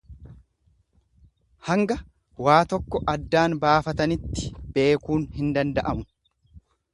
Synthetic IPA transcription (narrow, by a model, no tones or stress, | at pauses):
hɐŋɡɐ | waːt̪ɔkːɔʔɐd̪ːaːnbaːfɐt̪ɐnɪt̪ːɪ̥be̞ːkuːnhɪnd̪ɐnd̪ɐʔɐmʊ